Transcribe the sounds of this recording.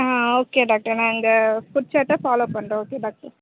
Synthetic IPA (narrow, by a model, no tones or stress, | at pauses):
ãːoːkeɖaːk̚ʈɐɾnãːɪnd̪ɐfʊɾt͡ʃɐːʈːɐfaːloːpɐɳɾẽoːkeɖaːk̚ʈɐɾ